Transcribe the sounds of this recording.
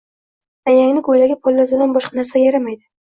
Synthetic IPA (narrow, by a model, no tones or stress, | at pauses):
ajaŋnɪɡojlaɡʲapʰɒlˠːazɪlanbɒʃqɑnaɾsajaɾamajd̪ɪ